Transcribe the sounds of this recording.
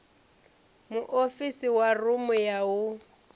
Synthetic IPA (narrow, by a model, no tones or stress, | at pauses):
mʊʔofisiwarʊmʊjaʊ